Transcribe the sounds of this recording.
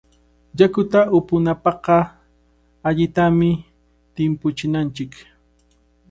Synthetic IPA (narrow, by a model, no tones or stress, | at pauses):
jakʊt̪aʔʊpʊnapɑqɑ | aʎɪt̪amɪ | t̪ɪmpʊt͡ʃɪnant͡ʃɪk